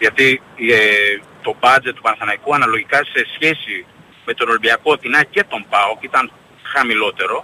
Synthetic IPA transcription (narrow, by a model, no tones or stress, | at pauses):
ðjat̪i | t̪o̞bad͡zet̪ːu̥panaθanajkuanalo̞ʝikase̞sçesi | met̪onolibiakot̪inacet̪o̞mpaokit̪an | xamilo̞t̪e̞ɾo̞